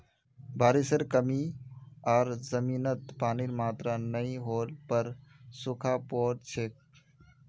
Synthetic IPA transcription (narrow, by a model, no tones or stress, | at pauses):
bʱaːɾisəɾkəmiaːɾzəmiːnət̪paːniːɾmaːt̪ɾanəĩɦoːlpəɾsʊkʰaːpoːɾt͡ʃʰeːk̚